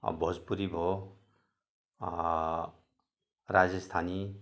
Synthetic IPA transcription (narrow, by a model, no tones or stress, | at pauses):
bʱɔd͡zpuɾibʱo | ɾad͡zʌst̪ʰani